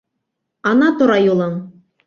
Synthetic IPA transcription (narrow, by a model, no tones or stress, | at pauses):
ɑnɑt̪ŏɾɑjulˠɤŋ